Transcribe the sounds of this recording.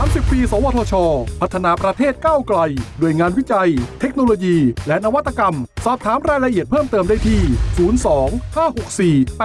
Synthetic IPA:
aː˨˦msi˨˩pːiː˧sɔː˩˦wɔː˧t̪ʰɔː˧t͡ɕʰɔː˧pʰa˨˦˩t̪ʰːa˧naː˧pɾa˧t̪ʰeː˥˩t̪̚kaː˥˩wkla˧jdoː˧˩əjŋaː˧nwi˦˥t͡ɕa˧jt̪ʰe˦˥k̚noː˧loː˧jiː˧lɛ˦˥naː˧wa˦˥t̪ʰːa˧ka˧msɔː˨˩p̚t̪ʰaː˩˦mɾaː˧jla˧ʔi˨˩ət̪̚pʰɤː˥˩mt̪ɤː˧mdaː˥˩jt̪ʰiː˥˩suː˩˦˥nsɔː˩˦ŋhʰaː˥˩ho˨˩k̚siː˨˩

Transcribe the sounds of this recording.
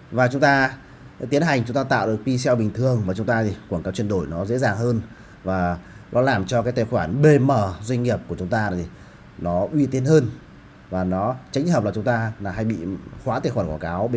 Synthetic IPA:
vaː˨˩t͡ɕʊ˨˦ŋ͡mt̪aː˧ | t̪i˨˦ənɦa˨˩jŋ̟t͡ɕʊ˨˦ŋ͡mt̪aː˧t̪a̰ː˧˨wɗɨ˨˩ək̚ɓi˧sɛ˧wɓï˨˩ŋ̟t̪ʰɨ˨˩əŋvaː˨˩t͡ɕʊ˨˦ŋ͡mt̪aː˧t̪ʰi˨˩kwa˧˩ŋkaː˨˦wt͡ɕwi˧ənɗo˧˩jnɔ˨˦zḛ˧˥zaː˨˩ŋhəː˧n | vaː˨˩nɔ˨˦laː˨˩mt͡ɕɔ˧k̬aː˨˦jt̪aː˨˩jxwaː˧˩nɓe˧məː˨˩zwa˧ŋ̟ŋi˨˩əp̚ku˧˩ət͡ɕʊ˨˦ŋ͡mt̪aː˧˨˩i˨˩ | nɔ˨˦ʔwi˧t̪i˧ənhəː˧n | vaː˨˩nɔ˨˦t͡ɕa˨˦ŋ̟həː˨˩p̚laː˨˩ʊ˨˦ŋ͡mt̪aː˧laː˨˩ɦa˧jɓḭ˧˨xwaː˨˦t̪eː˨˧˩xwaː˧˩nkwaː˧˩kaː˨˦w

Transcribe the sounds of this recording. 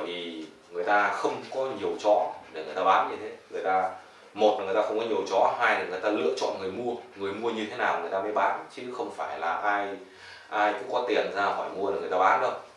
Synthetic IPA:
jvi˨˩ | ŋɨ˨˩əjt̪aː˧xə˧wŋ͡mkɔ˨˦ɲi˨˩əwt͡ɕɔ̰˧˥ɗe˨˧˩ŋɨ˨˩əjt̪aː˧ɓa̰ː˧˥nɲɨ˧t̪ʰe˨˦ŋɨ˨˩əjt̪aː˧ | mo˨˩t̚a˨˩ŋ˨˩jt̪aː˧xŋ͡mkɔ˨˦ɲi˨˩əwt͡ɕɔ̰˧˥haː˧jn˨˩ŋɨ˨˩əjt̪aː˧lɨ̰˧˥ət͡ɕɔ̰˧˨nŋɨ˨˩əjmu˧əŋɨ˨˩əjmu˧əɲɨ˧t̪ʰe˨˦naː˨˩wŋɨ˨˩əjt̪aː˧ə˨˧˦jɓa̰ː˧˩nt͡ɕɨ˨˦xə˧wŋ͡mfaː˧˩jlaː˨˩ʔaː˧j | ʔaː˧jkṵ˧˥ŋ͡mkɔ˨˦t̪i˨˩ənzaː˧hɔ˧˩jmu˧əle˨˩ŋɨ˨˩jt̪aː˧ɓa̰ː˧˥nɗə˨˧˦w

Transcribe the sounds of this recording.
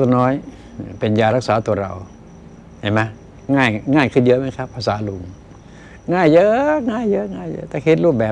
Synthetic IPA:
t̪ɔ˧˩nɔː˦˥j | pe˨njaː˧˩ɾa˦˥k̚saː˩˦t̪u˧ɐɾa̰˨˩w | ha˧˩jma˦˥ | ŋaː˧˥˩jŋaː˧˥˩jkʰɯ˧˩njɤ˦˥ʔmaː˧˦˥jkʰa˦˥pʰːaː˧saː˩˦lu˨˧˩ŋ | ŋaː˧˥˩jːɤ˦˥ʔŋaː˥˩jːɤ˦˥ŋaː˥˩jɤ̰˦˥t̪ɛː˨˩hʰe˧˦t̪̚ɾuː˥˩p̚bɛː˨˩

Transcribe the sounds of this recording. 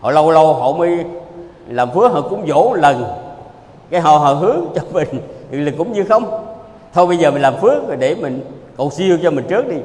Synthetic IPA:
hɔ̰˧˨lə˧wlə˧wɦɔ̰˧˨məː˨˦j | laː˨˩mfɨ˦˥ək̚ɦɔ̰˧˨˩kʊ̰˧˥ŋ͡mzo˧˥˦lə˨˩n | kaː˨˦jɦɔ̰˧˨ɦɔ̰˧˨ɦɨ˨˦əŋt͡ɕɔ˧mï˨˩ŋ̟˨˩lə˨˩kːʊ̰˧˥ŋ͡mɲɨ˧xə˧wŋ͡m | t̪ʰo˧jɓə˧jzəː˨˩mi̟˨˩laː˨˩mfɨ˦˥ək̚va˨˩ɗe˧˩mï˨˩ŋ̟ko˨˩wsi˧əwt͡ɕɔ˧mï˨˩ŋ̟t͡ɕɨ˦˥ək̚ɗi˧

